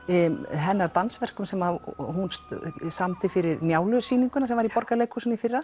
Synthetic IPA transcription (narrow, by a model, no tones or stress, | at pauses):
ɦɛnːaɾt̪ansvɛr̥kʏmsɛmahunssamt̪ɪfɪɾɪɾnjaːwlʏsiːniŋkʏnasɛmvaɾipɔɾkalejkʰhusʏnifɪrːa